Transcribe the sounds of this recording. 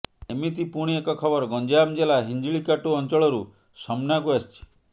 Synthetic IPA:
emit̪ipuɽ̃iekɔkʰɔbɔɾɡɔnd͡ʒamd͡ʒelaɦiɲd͡ʒiɭikaʈuɔnt͡ʃɔɭɔɾu | sɔmnakuast͡ʃʰi̥

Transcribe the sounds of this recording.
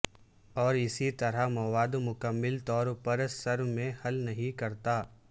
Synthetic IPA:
ɔːɾɪsit̪ɐɾamɐwaːd̪mʊkəmːɪlt̪ɔːɾpɐɾsɐɾwmẽhɐlnɐɦĩkɐɾt̪aː

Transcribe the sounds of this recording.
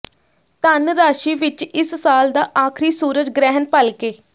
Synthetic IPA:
t̪ənɾaːʃiːʋɪt͡ʃɪssaːld̪aːʔaːkʰɾiːsuːɾəd͡ʒɡɾɛːɦənpəlkeː

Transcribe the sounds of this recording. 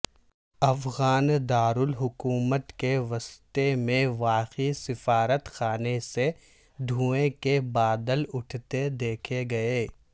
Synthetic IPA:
ɐfɣaːnd̪aːɾʊlɦʊkuːmət̪keʋɐst̪emẽʋaːqisɪfaːɾət̪xaːnese | d̪ʱũːẽkebaːd̪əlʊʈʰt̪ed̪eːkʰeɡɐeː

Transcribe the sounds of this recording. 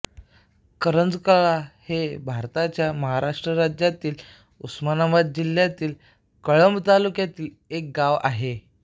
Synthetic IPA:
kəɾənd͡zkəɭahebʱaɾt̪at͡ɕjaməɦaɾaʂʈɾəɾad͡ʑjat̪iːl | usmanaʋat̪̚d͡ʑil̤jat̪iːl | kəɭəmbt̪alukjat̪iːl | ek̚ɡaʋa̰ɦe

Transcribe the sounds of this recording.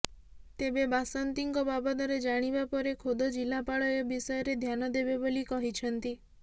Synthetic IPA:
t̪ebebasɔnt̪iŋkɔbabɔt̪ɔɾed͡ʒaɽ̃ibapɔɾekʰod̪od͡ʒilapaɭɔjɔbisɔjɔɾed̪ʱjanɔd̪ebebolikɔɦit͡ʃʰɔnt̪i

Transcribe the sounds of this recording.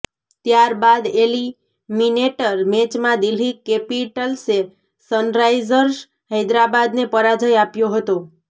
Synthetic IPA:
t̪jaɾbad̪eli | mineʈəɾmet͡ʃmãd̪ilikepiʈəlse | sənɾajd͡ʒəɾs | ɦəjd̪ɾabad̪nepəɾad͡ʒʱəjapjoɦət̪o

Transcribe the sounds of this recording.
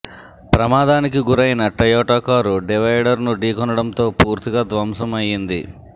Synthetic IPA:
pɾɐmaːd̪aːnikiɡuɾɐjnɐʈɐjɔːʈoːkaːɾuɖiʋɐjɖɐɾnuɖiːkɔnɐɽɐnt̪o̞ːpuːɾt̪iɡaːd̪ʋɐmsɐmɐjind̪ḭ

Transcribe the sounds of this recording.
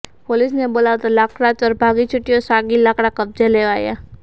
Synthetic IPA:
poːlisneboːlat̪alaːkɽat͡ʃɔɾbʱaːɡit͡ʃʰʊʈːijosaːɡilaːkɽakɐb̚d͡ʒaleaːja̰

